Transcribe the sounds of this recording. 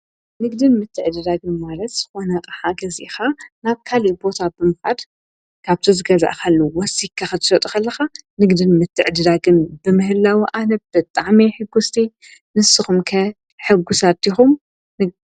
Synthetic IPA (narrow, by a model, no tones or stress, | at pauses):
nɨɡd̪ɨnmɨt̪ʰːɨʕd̪ɨd̪aɡɨnmalɐt̪z̥ɨ̥xo̞nɐqʼɐħaɡɐzḭxanaβkʰaliʔbo̞t̪ʰabɨmɨfʕad̪ | kʰaβt̪ʰozɨɡɐza̰ʔkʰɐlːuwɔsikʰːaxɨt̪ʰɨ̥sɐt̪ʼukɐlːɐxanɨɡd̪ɨnmɨt̪ʰːɨʕd̪ɨd̪aɡɨnbɨmɨhɨlːawiʔanɐb̥ɨt̪ʼaʕmiħɨɡːust̪ʰi | nɨsːɨxumkʰɐ | ħɨɡːusat̪ːixum | nɨ